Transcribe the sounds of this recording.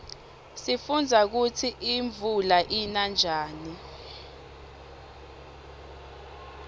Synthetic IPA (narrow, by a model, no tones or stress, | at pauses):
sifund͡zʱak̬ut͡sʰiʔiɱvʱulaʔinand͡ʒʱaːni